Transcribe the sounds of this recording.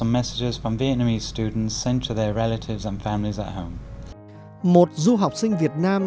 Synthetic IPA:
ə̃mːɛsɪd͡ʒɪz̥fɹə̃mviɛʔnəmiːz̥stʉːdⁿn̩tsɛ̃ntʰəðəɹɛlətʰɪvzə̃nfãmlizə̰ʔhə̃ʊ̃m | mot̚zuɦawk͡p̚sïŋ̟viət̚naːm

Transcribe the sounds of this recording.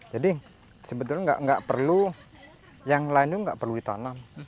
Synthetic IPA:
d͡ʒadi | səbət̪̬ʊlɲaŋɡa̰ʔŋɡa̰ʔpərlu | jaŋlaɪnt̪uŋɡaʔpərludit̪a̰nam

